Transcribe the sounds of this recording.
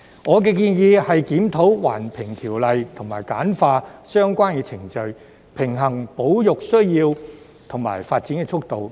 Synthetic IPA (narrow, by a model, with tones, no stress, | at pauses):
ŋɔː˨˧k̬ɛː˧k̬iː˧njiː˨˧hɐ˨jkiː˨˥mt̪ʰo˨˥wwa̰ː˨˩npʰɪ˨˩ŋt̪ʰiː˨˩wlɐ˨jt̪ʰʊ˨˩ŋmaː˨˩jkaː˨˥nfaː˧sœː˥ŋkʷaː˥nkɛː˧t͡sʰɪ˨˩ŋt͡ʃɵ˧ɥ | pʰɪ˨˩ŋɦɐ˨˩ŋpo˨˥wjʊ˨k̚sɵ˥ɥjiː˧w | t̪ʰʊ˨˩ŋma̰ː˨˩jfaː˧t̚t͡siː˨˥nkɛː˧t͡ʃʰʊ˥k̚t̪o˨˧w